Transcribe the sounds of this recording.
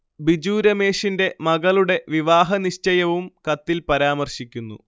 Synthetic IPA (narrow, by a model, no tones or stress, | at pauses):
bid͡ʑuːɾɐme̞ːʂinde̞mɐɣɐɭuɽe̞ʋiʋaːɦɐniɕt͡ɕɐjɐʋumkɐt̪ːilpɐɾaːmɐrɕikʲːunːṵ